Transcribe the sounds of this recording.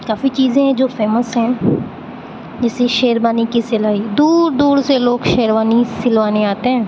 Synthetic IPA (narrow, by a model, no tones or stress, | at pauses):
kaːfit͡ʃiːzẽɦɛ̃d͡ʒoːfeːməsɦɛ̃ː | d͡ʒɛːseʃeːɾbaːnikisɪlaːid̪uːɾd̪uːɾseloːɡʃeːɾʋaːnisɪlʋaːneaːt̪eɦɛ̃ː